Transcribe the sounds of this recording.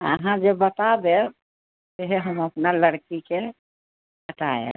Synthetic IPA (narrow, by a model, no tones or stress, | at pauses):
ə̰ɦãd͡ʒebət̪ad̪e | seɦeɦəməpnaləɽkike | ɦəʈaḛ